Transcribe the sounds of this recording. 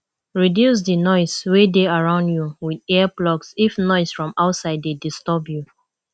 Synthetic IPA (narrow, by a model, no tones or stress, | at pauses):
ɹidjus̬dənɔɪswedeaɹãʊ̃ndjuwidɛplɔksifnɔɪsfɹɔ̃maʊtsaɪdːedistɔbju